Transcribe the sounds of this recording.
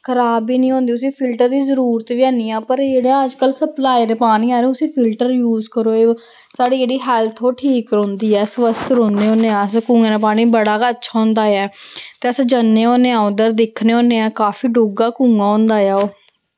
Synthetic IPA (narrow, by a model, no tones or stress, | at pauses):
kʰəɾaːbiːnĩːɦõːnd̪iːʊsĩːpʰɪlʈəɾd̪iːzəɾuːɾt̪ʋiːaːniːãːpəɾd͡ʒeːɽaːəd͡ʒkəlsəplaːid̪eːpaːɽ̃ñiːaːɾẽːʊsĩːpʰɪlʈəɾjuːzkəɾoːeː | saːɽiːd͡ʒeːɽiːɦɛːlt̪ʰoːʈʰiːkɾõːnd̪iːɛːsəʋəst̪ɾõːnd̪eːɦõːneːãːskuːŋeːɾaːpaːɽ̃iːbəɽaːkətːt͡ʃʰaːɦʊ̃nd̪aːɛːt̪eːəsd͡ʒanːeːɦõːneːãːʊd̪əɾd̪ɪkʰneːɦõːneːãːkaːfiːɖoːɡaːkuːŋãːɦõnd̪aːjaːoː